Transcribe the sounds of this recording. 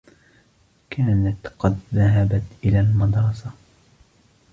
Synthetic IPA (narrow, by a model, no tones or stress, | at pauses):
kʰaːnat̪qɑd̪ðaɦabat̪ʔɪlaːlmɑd̪ɾˤɑsa